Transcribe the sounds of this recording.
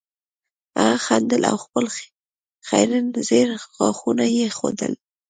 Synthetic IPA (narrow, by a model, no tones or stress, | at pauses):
axand̪əla̰wxpəl | xajɾanzeɾxɑxunajexod̪əl